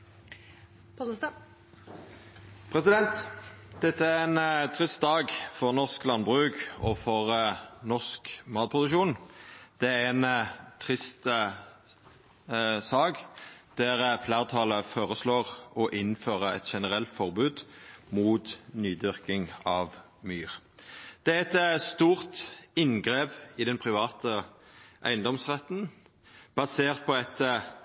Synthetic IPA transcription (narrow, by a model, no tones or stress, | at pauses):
p̪ʰ | pʰɾɛsɪd̪ɛnt̪d̪̥ɛt̪ːəæʁɛnt̪ʰʁɪst̪̚d̪ɑːɡfɔʁnɔʁsklɑnbʁʉːkɔfɔʁənɔskmɑːt̪̚pʰʁʊd̪ʉʃuːnd̪̥ɛæʁɛnt̪ʰʁɪst̪ | sɑːkd̪̥æʁflæːʁt̪ʰɑləfoːʁəsloːʁɔʔɪnføːʁəɛt̪ʃɛnəʁɛlt̪fɔʁbʉːd̪muːt̪nyːd̪ʏʁkɪŋɑʋ | myːʁ | d̪̥ɛæɛt̪st̪uːʁt̪ɪnɡʁeːpɪd̪ɛnpʰʁɪʋɑːt̪ə | ʔæ̰ɪənd̪ɔmsʁɛt̪n | b̥ɑseːʁt̪̚pʰɔɛt̪